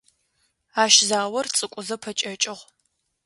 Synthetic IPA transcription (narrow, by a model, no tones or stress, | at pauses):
aːʃzaːwɐrt͡sʼɨkʷʼʊzɐpʰɐt͡ʃʼɐt͡ʃʼɪʁʷ